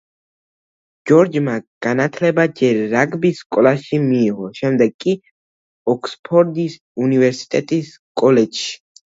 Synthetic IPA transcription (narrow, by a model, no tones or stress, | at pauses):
d͡ʒɔɾd͡ʒmaɡ̥anat̪ʰlɛbad͡ʒɛɾːaɡbiskʼɔlaʃimiːʁɔʃɛmd̪ɛɡ̚kʼːi | ɔkspʰɔɾd̪is | univɛɾsi̥t̪ʼɛt̪ʼis | kʼɔlɛd͡ʒʃ